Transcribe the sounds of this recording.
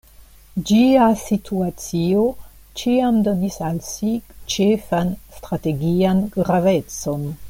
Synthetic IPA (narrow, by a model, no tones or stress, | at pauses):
d͡ʒiasitʰuat͡sio̞ | t͡ʃiamdo̞nisalsit͡ʃefanstɾate̞ɡianɡɾave̞t͡so̞n